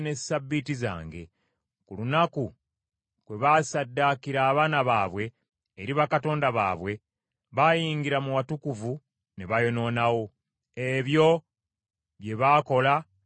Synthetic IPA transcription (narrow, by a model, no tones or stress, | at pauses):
ne̞sabːitiza̰ːŋɡe̞̰ | kulunaku | kwe̞βasadːakiɾaːβaːnaβaːβwe̞ː | ɾiβakato̞ːndaβa̰ːβwe̞ | βajiːŋɡiɾamuwatukuvu | ne̞βajo̞no̞ːnawo̞ | e̞βjo̞ | βje̞βako̞la